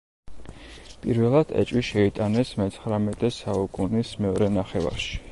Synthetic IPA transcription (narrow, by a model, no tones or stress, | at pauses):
pʼiɾvɛlˠad̪̥ʰɛ̰t͡ʃʼwiʃɛit̪ʼanɛsmɛt̪sʰχɾamɛt̪ʼɛsaukʼunismɛɔɾɛnaχɛva̰ɾʃi̥